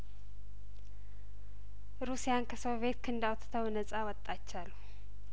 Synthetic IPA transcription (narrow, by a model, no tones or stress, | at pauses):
ɾusijankʰəso̞βe̞t̪kʰɨnd̪awt̪t̪ʰəwnəsʼawɔt̪ʼːat͡ʃːalːu